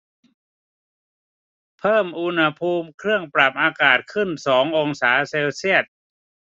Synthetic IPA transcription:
pʰɤː˥˩mʔu˧nha˧pʰuː˧mkʰɾɯ˥˩əŋpɾa˨˩p̚ʔaː˧kaː˨˩t̪̚kʰɯ˥˩nsɔː˩˦ŋʔo˧ŋsaː˩˦seː˧wsi˥˩ət̪̚

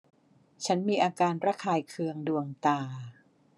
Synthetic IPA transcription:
t͡ɕʰa˦˥nmiː˧ʔaː˧kaː˧nɾa˦˥˩kʰaː˧jkʰɯ˧əŋdu˧əŋt̪aː˧˩

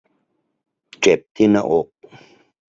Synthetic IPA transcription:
ʈ͡ʂe˨p̚t̪ʰinɐ˦ʔoq̚

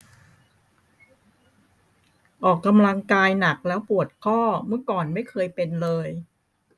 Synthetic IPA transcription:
ʔɔː˨˩kːa˧mla˧ŋkaː˧jna˨˩k̚lɛː˦˥wpu˨˩ət̪̚kʰɔː˥˩mɯ˥˩əkɔː˨˩nma˥˩jkʰɤː˧jpe˧nlɤː˧j

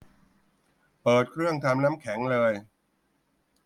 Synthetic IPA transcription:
pɤː˨˩t̪̚kʰɾɯ˥˩əŋt̪ʰaː˧mnaː˦˥mkʰɛ˩˦ŋlɤː˧j

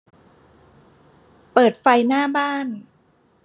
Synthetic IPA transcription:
pɤː˨˩t̪̚fa˧jnaː˥˩baː˥˩n

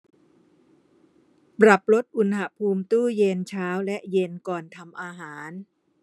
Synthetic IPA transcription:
pɾa˨˩p̚lo˦˥t̪̚ʔu˧nha˨pʰuː˧mt̪uː˥˩je˧nt͡ɕʰaː˦˥wlɛ˦˥ʔje˧nkɔː˨˩nt̪ʰa˧mʔaː˧ɦaː˩˦n

